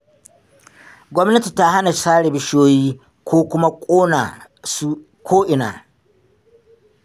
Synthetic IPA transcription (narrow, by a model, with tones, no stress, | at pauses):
ɡʷɔ˦mnɐ˦ti˨ta˦ha˦na˨saː˦ɽe˨bɪ˦ʃoː˦jiː˦ | kʷoː˦kʷʊ˦ma˦kʷʼoː˦na̰˨ | su˦ | kʰʷoː˦ʔɪ˨na̰ː˨